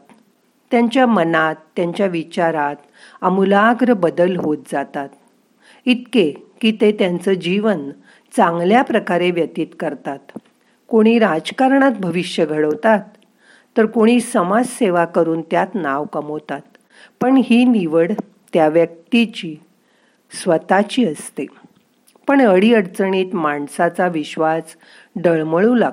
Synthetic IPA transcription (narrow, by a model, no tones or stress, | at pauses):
t̪ːjaɲt͡ɕjamənat̪ːjaɲt͡ɕjaʋit͡ɕaɾat̪ | amulaːɡɾəbəd̪əlɦot̪̚d͡zat̪at̪̚ | it̪̚kekiːt̪et̪jant͡səd͡ʑiʋən | t͡sãŋɡljapɾəkaɾeʋjət̪iːt̪kəɾt̪at̪ | koɽ̃iːɾad͡zkaɾɳ̃at̪̚bʱəʋiɕjəɡʱəɽəʋt̪at̪ː | əɾkoɽ̃iːsəmad͡zseʋakəɾuːnt̪jat̪naʋkəməwt̪at̪ | pəɳɦiːniʋəɽ | t̪jaʋjək̚t̪it͡ɕiː | sʋət̪at͡ɕiːəst̪e | pəɳəɽiəɽt͡səɳ̃iːt̪maɳsat͡saʋiɕʋas | ɖəɭməɭula